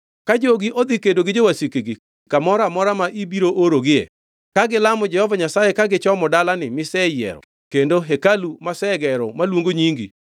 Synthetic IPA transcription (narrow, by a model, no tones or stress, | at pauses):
kad͡ʒoɡiʔod̪ikedoɡɪd͡ʒowasikeɡi | kamɔɾamɔɾamaʔibiɾoʔoɾoɡɪḛ | kaɡɪlamɔd͡ʒɛhɔvaɲasajekaɡɪt͡ʃɔmɔdalanɪmɪsɛjɛ̰ɾɔ̰ | kendoɦekalumasɛɡɛɾɔmalwoŋɡoɲiŋɡḭ